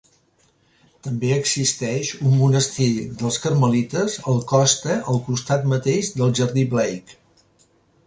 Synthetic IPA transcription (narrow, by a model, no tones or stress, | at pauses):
t̪əmbeəɡzist̪ɛʃumːunəst̪iðəlˠskəɾməlit̪əzəlˠkɔst̪əʔəlˠkust̪at̪mət̪eʒd̪əlˠʒəɾðiβlɛjk